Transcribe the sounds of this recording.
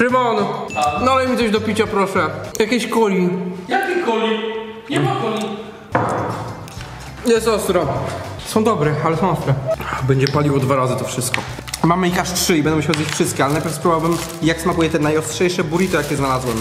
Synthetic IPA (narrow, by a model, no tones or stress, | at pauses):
ɾɨmɔnnalɛmʲit̪sɔɕd̪ɔpʲit͡ɕapɾɔʂɛjakʲeɕkɔlʲijakʲikɔlʲi | ɲɛakɔlʲi | jɛst̪ɔst̪ɾɔsɔ̃w̃d̪ɔbɾɛalɛsɔ̃w̃ɔst̪ɾɛbɛɲd͡ʑɛpalʲiwɔd̪vaɾazɨt̪ɔfʂɘst̪̚kɔ | mamɘixaʂtʂɘibɛnd̪ɛmɕɛwzbit͡ɕʲfʂɘst̪̚kʲɛalɛnajpʲjɛɾfspɾubawbɘm | jaksmakujɛt̪ɛnajɔstʂɛjʂɛbuɾʲit̪ɔjakʲjɛznalazwɛm